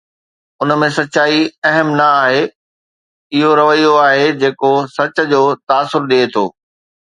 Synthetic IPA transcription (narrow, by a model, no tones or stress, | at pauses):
ʊnəmẽsɐt͡ɕaːiɐɦəmnɐaːɦe | ɪɦoɾɐʋəijoaːɦed͡ʑeːkosɐt͡ɕə̆d͡ʑoːt̪aːsːʊɾɗiːt̪ʰo̰ː